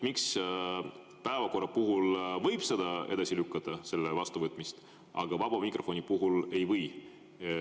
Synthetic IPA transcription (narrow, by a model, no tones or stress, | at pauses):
miks | pæevɑko̞rːɑpuɦulvɤjb̥sed̪ɑe̞̰d̪̥ɑsilykːˑɑt̪ːˑɑse̞lːevɑst̪uvɤt̪ːˑmist̪ | ʔɑ̰ɡ̥ɑvɑb̥ɑmikro̞fo̞nipuɦule̞jvɤj